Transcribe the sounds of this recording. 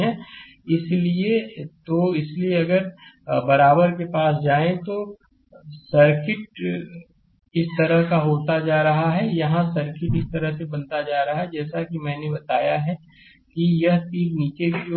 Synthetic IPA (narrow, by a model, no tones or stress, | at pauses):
ɦɛ̃ː | ɪsliet̪oɪslieɐɡəɾbɐɾaːbəɾkepaːsd͡ʒaːẽt̪o | sɐɾkɪʈ̚ | ɪst̪ɐɾəɦkaɦoːt̪ad͡ʒaːɾɐɦaɦɛjɐɦãsɐɾkɪʈɪst̪ɐɾəɦsebɐ̃nt̪ad͡ʒaːɾɐɦaɦɛd͡ʒɛːsakimɛ̃ːnebɐt̪aːjaɦɛ | kijɐɦt̪iːkniːt͡ʃebʱio